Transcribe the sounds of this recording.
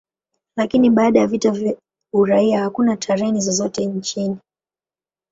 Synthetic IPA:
lakiniɓaːɗajavitav | uɾaiahakunatʰaɾɛnizɔzɔtɛɲt͡ʃini

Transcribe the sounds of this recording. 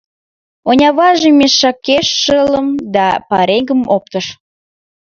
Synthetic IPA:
onʲɑβɑʒemʲeʃːɑkeʃːələmd̪ɑpɑɾeɡəmop̚t̪əʃ

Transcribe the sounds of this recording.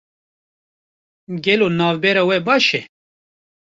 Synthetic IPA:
ɡelonaːwbeɾɐwebaʃe

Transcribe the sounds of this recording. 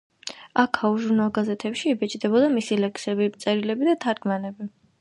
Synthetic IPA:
akʰauʒuɾnalˠɡazɛt̪ʰɛpʃiːbɛt͡ʃʼd̪ɛbɔd̪amisilɛksɛbipt̪sʼɛɾilɛbid̪at̪ʰaɾɡmanɛbi

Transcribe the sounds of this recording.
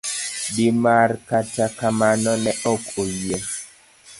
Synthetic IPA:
dimarkatakamanɔnɛʔɔkojie

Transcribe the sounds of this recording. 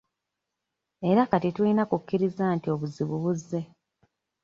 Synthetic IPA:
e̞ɾakatituinakukːiɾizaːntio̞βuziβuβuzːe̞

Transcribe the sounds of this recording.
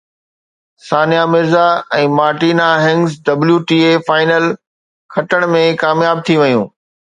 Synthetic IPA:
saːnijamɪɾzaɛ̃ːmaːɾʈiːnaɦɪ̃ŋɡzɖɐbljuʈiːefaːɪnəl | kʰɐʈəɽ̃mẽkaːmjaːb̚t̪ʰiʋɐjũː

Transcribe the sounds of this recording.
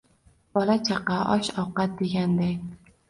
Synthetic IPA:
b̥ɒlat͡ʃʰaqɑʔɒʃɒwqɑt̪̚d̪e̞ɡʲand̪aj

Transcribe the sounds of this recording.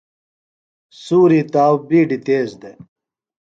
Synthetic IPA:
suːɾit̪aːwbiːɖit̪eːzd̪e

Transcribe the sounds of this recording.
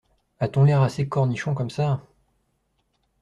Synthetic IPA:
at̪ɔ̃lɛʁasekɔʁniʃɔ̃kɔmsa

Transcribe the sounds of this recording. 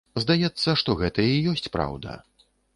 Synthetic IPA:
zd̪ajɛt̪sːɐʂt̪ɔɣɛt̪ɐijɔsʲt͡sʲpɾa̰wd̪ɐ̰

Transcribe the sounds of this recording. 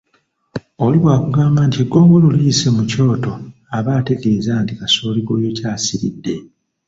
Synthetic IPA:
oliβwaːkuɡaːmbaːntieɡːo̞ːŋɡo̞luliisemuco̞ːto̞ | aβaːte̞ɡe̞ːzaːntikasoːliɡo̞ːjo̞caːsiɾḭdːe̞

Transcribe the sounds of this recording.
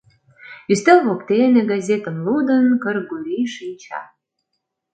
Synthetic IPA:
yst̪elβokt̪enĕɡɑzʲet̪ə̆mlud̪ənkərɡuliʃinʲt͡ɕɑ̰

